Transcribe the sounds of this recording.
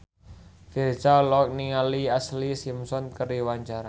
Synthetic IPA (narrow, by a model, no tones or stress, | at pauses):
firt͡ʃalɔk̚niŋaliaslisimsɔnkəɾiwaɲt͡ʃaɾa